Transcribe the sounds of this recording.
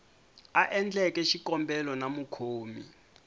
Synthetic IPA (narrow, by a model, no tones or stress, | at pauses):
aʔɛnd͡ɮɛkɛʃikɔmbɛlɔnamukʰoːmḭ